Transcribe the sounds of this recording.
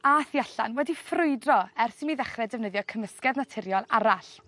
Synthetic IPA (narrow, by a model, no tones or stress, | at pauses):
aːθiaɬa̰nwɛdifrʊɨdrɔɛrsɪnmiðɛχrɛdɛvnəðjɔkʰəməskɛðnatʰɪɾjɔlˠaɾaɬ